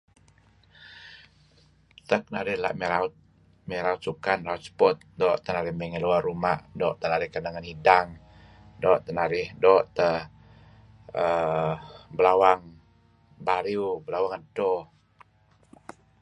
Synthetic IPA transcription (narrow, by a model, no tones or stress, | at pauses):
t̪ək̚naɾɪhla̰ʔmɛɾaʊt̪̚ | mɛɾaʊt̪̚sukanlaut̪̚sə̥pɔt̪̚dɔʔt̪ənaɾɪhmɛŋəluarːumaʔdɔʔt̪ənaɾɪhkənəŋanhidaŋ | dɔʔt̪ənaɾɪhdɔʔt̪ə | ə | bəlawaŋ | baɾiubəlawaŋantɔ